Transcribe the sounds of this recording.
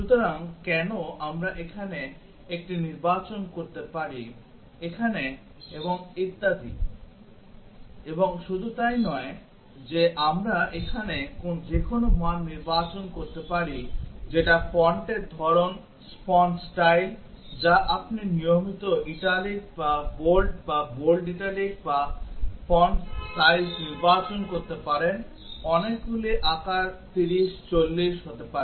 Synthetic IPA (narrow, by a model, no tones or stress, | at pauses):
ʃut̪oɾaŋkɛnoʔamɾaʔekʰane | ek̚ʈiniɾbat͡ɕonkoɾt̪epaɾi | ekʰane | eboŋit̪ːad̪ʱḭ | eboŋʃud̪ʱut̪ajnɔe | d͡ʑeʔamɾaekʰanekonod͡ʑekʰonomoanniɾbat͡ɕonkoɾt̪epaɾid͡ʑeʈafɔɳʈeɾd̪ʱɔɾon | spɔnsʈajl | d͡ʑaʔapninijomit̪oʔiʈalik̚babolɖbabolɖiʈalik̚bafʰɔɳʈsʈajlsniɾbat͡ɕonkoɾt̪epaɾen | ɔnek̚ɡuleʔakaɾt̪iɾiʃt͡ɕolːiʃɦot̪epaɾe